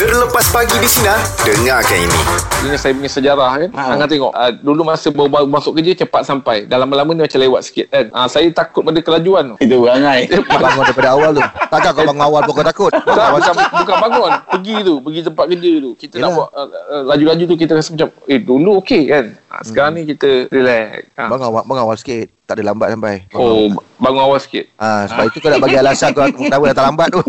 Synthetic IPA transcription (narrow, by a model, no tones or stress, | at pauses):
t̪ərləpaspaɡidisinadəŋakanḭnḭ̃tiɲasajap̬uɲasəd͡ʒaɾahkanaŋant̪̬eŋɔ̰ʔədulumasəbabamasʊʔ̚kəd͡ʒət͡ʃəpat̪̚sampajdalamalamənĩmat͡ʃalewat̪̚si̥kɪt̪̚kanasajat̪akʊt̪̚padakəlad͡ʒuanit̪ubaŋajəpaŋʊndaipadaawalt̪ut̪aʔkakɔbaŋʊawalbukɔt̪akʊt̪kat͡ʃambukanbaŋʊnpəɡit̪upəɡit̪̬əmpat̪̚kədət̪ukit̪ənaaʔəlad͡ʒulad͡ʒut̪̬uk̬it̪əkasemət͡ʃameduluokekana̰səkaɾaŋnĩkit̪əɾilɛjabaŋawabaŋŋawalsə̥kɪt̪̚t̪aʔdəlambat̪̚sampajbaobaŋʊnawalsə̥kɪ̰t̪̚asəbapit̪ukonaʔbaɡialasakoaawədat̪aʔlambat̪̚t̪u